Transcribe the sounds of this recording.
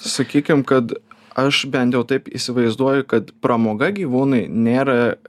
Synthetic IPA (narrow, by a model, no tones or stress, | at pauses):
sɐkʲiːkʲɪmkɐt̪ɐʃbʲɛnt̪jɛʊt̪ɐɪpḭːsʲɪʋɐɪzd̪uɔjʊkɐt̪pɾɐmoːɡɐɡʲiːʋuːnɐɪnʲeːɾɐ